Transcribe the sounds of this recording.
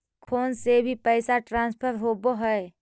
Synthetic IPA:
kʰoːnsebʱipɛɪsaʈɾãːnspʰəɾɦoboɦɛe

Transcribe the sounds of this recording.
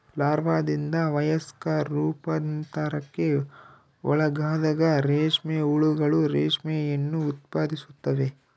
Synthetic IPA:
laːɾʋaːd̪ind̪ɐʋɐjɐskɐːuːpɐnt̪aɾɐkːe̞ | ɔ̰ɭɐɡaːd̪ɐɡɐɾeːʂmɛuɭuɡɐɭuɾeːʂmɛjɐnːuːt̪̚paːd̪isut̪ːɐʋe̞

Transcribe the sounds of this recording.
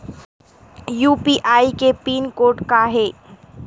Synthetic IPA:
juːpiʔaːikepiːnkoːɾʈkaɦeː

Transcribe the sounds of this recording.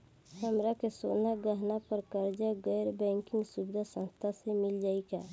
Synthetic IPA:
həmɾakesoːnaɡəɦnapəɾkəɾd͡ʒaɡɛːɾbɛ̃ːŋkɪ̃ŋɡsubɪd̪ʱasə̃nst̪ʰasemɪld͡ʒaːika

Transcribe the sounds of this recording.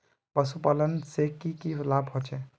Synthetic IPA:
pəsupalənsekikilabʱɦot͡ʃʰɛ

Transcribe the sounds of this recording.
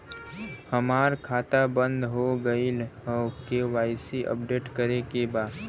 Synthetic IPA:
həmaːɾkʰaːt̪abə̃nd̪ɦoɡəilɦkeʋaːɪsiʔə̰pɖeːʈkəɾekebaːd̪

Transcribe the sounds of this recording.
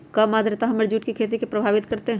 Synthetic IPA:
kɐmaːd̪ɾet̪aɦɐmeɾd͡ʒuːʈkikʰeːt̪̬ikepɾɐbʱaːʋɪt̪kɐɾt̪eɦ

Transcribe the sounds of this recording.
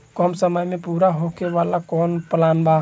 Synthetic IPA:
kɔmsəməjmẽpuːɾaɦokeʋalakɔːnpəlanba

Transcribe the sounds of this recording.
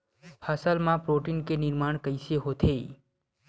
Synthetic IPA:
pʰasəlmãpɾoʈinkenɪɾmaːɽ̃kəɪsjeɦot̪ʰe

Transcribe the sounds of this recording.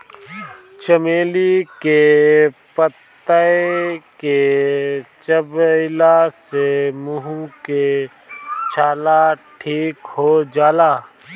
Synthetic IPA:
t͡ʃəmeːlike | pət̪ː | əeke | t͡ʃəbɪlasemʊɦũke | t͡ʃʰaːlaʈʰiːkhod͡ʒaːlaː

